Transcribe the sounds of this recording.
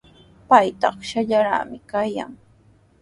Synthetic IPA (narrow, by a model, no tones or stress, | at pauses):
pajt̪ɑχʃaʎaɾa̰ːmɪkaja̰ŋ